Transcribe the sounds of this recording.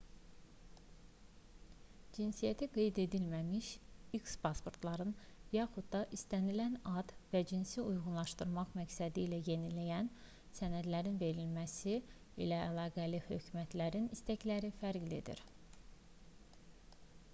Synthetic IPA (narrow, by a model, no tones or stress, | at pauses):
d͡ʒinsijæt̪ʰiɡe̞jd̪e̞d̪ilmæmiʃikspʰɑspo̞ɾt̪ʰlˠɑɾɯnjɑχud̪̚d̪ɑʔist̪ænilænɑd̪væd͡ʒinsiujʁunlˠɑʃt̪ɯɾmɑʁmæcsæd̪iːlæje̞nilæjæn | sænæd̪læɾinve̞ɾilmæsi | ḭlæːlˠɑːɡælihø̞̰cʰymæt̪ʰlæɾinist̪æclæɾifæɾɡlid̪ḭɾ